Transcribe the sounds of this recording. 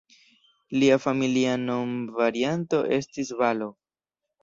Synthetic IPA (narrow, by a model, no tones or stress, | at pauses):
liafamiliano̞mvaɾianto̞ʔe̞stis̬valo̞